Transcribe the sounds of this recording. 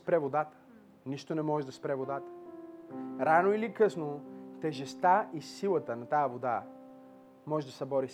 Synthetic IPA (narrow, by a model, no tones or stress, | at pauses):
spɾɛvod̪at̪ə̥ | niʃt̪onɛmɔʒɛd̪ɐspɾɛvod̪at̪ə̥ | ɾanoilikɤsnot̪ɛʒɛst̪aisilˠət̪ənɐt̪ajəvod̪a | mɔʒɛd̪ɐsɛbɔɾi